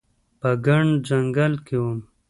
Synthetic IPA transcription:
pəɡaɳɖd͡ʒɐŋɡɐlkewum

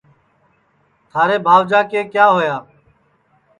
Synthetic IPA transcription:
t̪ʰaːɾeːbʱaːʋd͡ʒaːkeːkjaːɦoːjaː

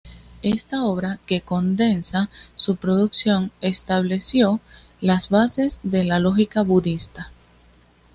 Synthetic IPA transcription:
e̞st̪ao̞β̞ɾake̞ko̞nd̪e̞nsasupɾo̞ðuksjo̞ŋe̞st̪aβ̞le̞sjo̞ | lasβase̞sðe̞lalo̞xikaβuðist̪a

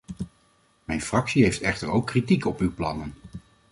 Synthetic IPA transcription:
mɛjnfrɑksiɦejftɛχtəɹowkːritikɔpywplɑ̰nən

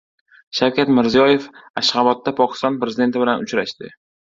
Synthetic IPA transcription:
ʃawkʲʰat̪mɪɾzijɒje̞faʃχɑbɒt̪ːapʰɒkʲɪ̥st̪ɒnpɾe̞zɪd̪e̞nt̪ɪbɪlanʊt͡ʃɾaʃt̪ɪ

